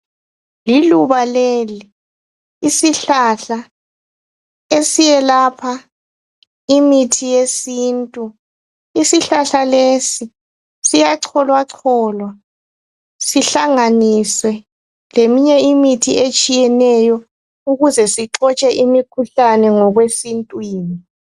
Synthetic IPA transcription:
liluβaleliː | siɬaɬa | esijɛlapʰa | imitʰijesiːntʼu | isiɬaɬalesi | sijaǀʰɔlwaǀʰɔːlwa | siɬaŋaniswɛ | lemiɲɛimitʰiet͡ʃʼijɛnɛjɔ | uɣuzɛsiǁɔt͡ʃʼɛʔimikʰuɬanɛŋɔɣwesintʼwiːni

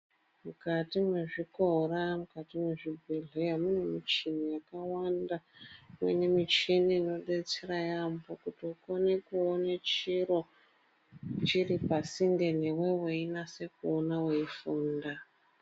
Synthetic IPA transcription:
mukatimwe̞ʐiko̞ramukatimwe̞ʐibʱiɮojamunemit͡ʃinijakawandamwenemit͡ʃinino̞ɗet͡serajambokutiukonekuonet͡ʃiɾo̞ | t͡ʃiripasiŋɡenewe̞weinase̞kuonaweifuːnda

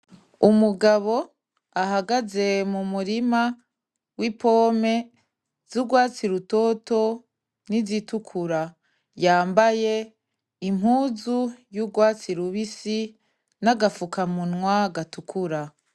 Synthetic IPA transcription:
umuɡaβo̞ | ahaɡaze̞mumuɾima | wipoːme | z̥uɡwaːt͡siɾutoto̞ | nizitukʰuɾa | jaːmbaje̞ | im̥huːzujuɡwaːt͡siɾuβisi | naɡafukamunŋwaɡatukʰuɾa

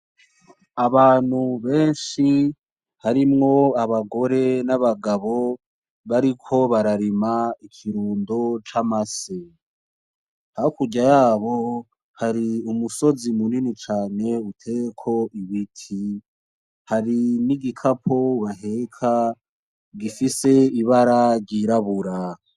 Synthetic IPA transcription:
aβaːn̥huβe̞ːnʃi | haɾimŋo̞aβaɡo̞ɾe̞naβaɡaβo̞ | βaɾikʰo̞βaɾaɾimaikʰiɾuːndot͡ʃamase | haokuɟajaːβo̞ | haɾiumuso̞zimuninit͡ʃaːne̞utʰe̞ekʰo̞ʔiβitʰi | haɾiniɡikʰapʰoβaɦe̞kʰa | ɡifise̞iβaɾaɾɟiɾaβuɾa

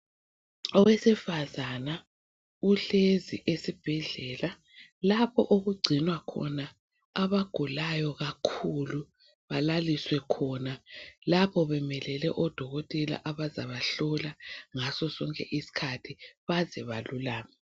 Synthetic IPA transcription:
ɔwesifazana | uɬeziʔesib̥ʱɛɮɛːla | lapʰɔ̰ʔoɣuɡ͡ǀʱinwakʰɔ̰na | aβaɡ̥ʱulajɔɣakʰulu | βalaliswɛkʰɔnalapʰɔβɛmɛlɛlɛʔɔd̥ʱɔɣɔtʼɛla̰ʔaβaza̰βaɬɔlaŋasɔsɔŋkʼɛ̰ʔisi̥kʰatʰiβazɛβalulaːŋa

